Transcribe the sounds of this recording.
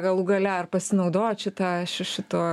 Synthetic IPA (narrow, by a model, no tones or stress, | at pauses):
ɡɐlˠuɡɐlʲæɐrpɐsʲɪnɐʊd̪oːjʃʲɪt̪ɑʃɪʃʲɪt̪oː